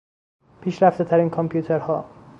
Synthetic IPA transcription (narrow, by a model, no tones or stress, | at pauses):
pʰiːʃɾæft̪et̪ʰæɾiːnkʰompʰjuːt̪ʰeɾhɒ̰ː